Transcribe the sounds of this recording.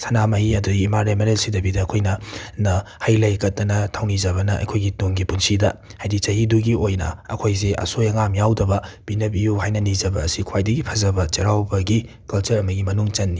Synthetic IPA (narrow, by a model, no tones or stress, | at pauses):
sʰɐnamɐjiɐduɡiːmaɾemeɾelsidɐbidɐːkʰojnɐnɐhajlɐjkɐt̚dɐnɐtʰawnizɐβɐnɐʔɐ̰jkʰojɡituŋɡipunsidɐ̰hajdit͡ʃɐɦiduɡiojnɐ̰ɐ̰kʰojzeʔɐ̰sojɐŋamjawdɐbɐb̥inɐpijuɦajnɐnizɐbɐːsikʰwajdɐɡipʰɐzɐbɐt͡ʃɐɾawbɐɡi | kɐlt͡ʃɐɾɐmɐɡimɐnuŋt͡ʃɐnːi